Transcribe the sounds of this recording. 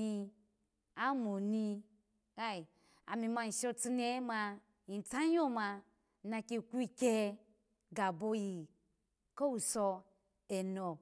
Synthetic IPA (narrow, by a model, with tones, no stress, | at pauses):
i˧ | a˦mo˨ni˧ | ka˦i˨ | a̰˨mi˧ma˧n̩˨ʃo˦t͡si˧ne˦ma˧ | i˨n˨t͡sa˦jo˦ma˧˦ | na˧ki˧˨kʷu˦i˦kʲe˦ | ɡa˨bo˧ji˨ | ko˦wu˨so˧ | e˨no˨